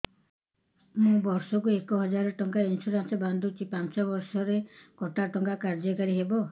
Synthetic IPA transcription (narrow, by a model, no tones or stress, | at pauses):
mũbɔɾsɔkuekɔɦɔd͡ʒaɾɔʈɔŋkainsuɾansɔband̪ʱut͡ʃʰipant͡ʃɔbɔɾsɔɾekɔʈaʈɔŋkakaɾd͡ʒɔkɔɾiɦebɔ